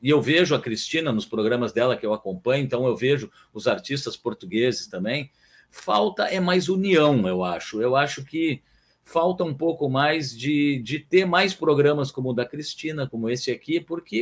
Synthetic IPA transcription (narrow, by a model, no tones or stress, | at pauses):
ɪewveʒʊɐkɾist͡ʃĩnɐnʊspɾoɡɾɐ̃mɐzd̪ɛlɐkɪewakõpɐ̃ɲʊẽnt̪ɐ̃w̃ewveʒʊ | ʊzaɾt͡ʃist̪ɐspoɾt̪uɡezɪst̪ɐ̃mbẽj̃ | fa̰wt̪ɐʔɛmajzuniɐ̃w̃ewaʃʊewaʃʊkɪ | fawt̪ɐũpowkʊmajzd͡ʒɪd͡ʒɪt̪eɾmajspɾoɡɾɐ̃mɐskõmʊd̪ɐkɾist͡ʃĩnɐkõmʊesɪakipʊɾkɪ